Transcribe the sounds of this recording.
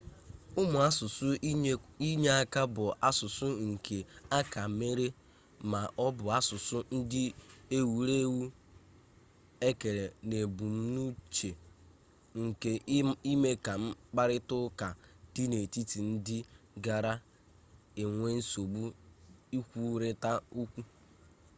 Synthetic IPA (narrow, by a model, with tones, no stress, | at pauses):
ʊ˦mʊ˨a˦sʊ˨sʊ˦ | i˦ɲe˦a˦ka˦bʊ˨a˦sʊ˨sʊ˦ŋ̩˨kʰe˨a˦ka˨me˦ɾe˦ | ma˨ʔɔ˦bʊ˨a˦sʊ˨sʊ˦n̩˦dɪ˦e˦wu˨ɾe˦wu˦ | e˦ke˨ɾe˨ne˨bu˨m̩˦nu˦t͡ʃe˨ | ŋ̩˨ke˨i˦me˦ka˨m̩˦k͡pa˦ɾɪ˦tʊ˦ka˨ti˦ne˨ti˦ti˨n̩˦dɪ˦ɡa˨ɾa˦ | e˨ŋʷe˦n̩˦so˨bu˦i˦kʷu˦ɾɪ˦ta˦u˦kʷu˦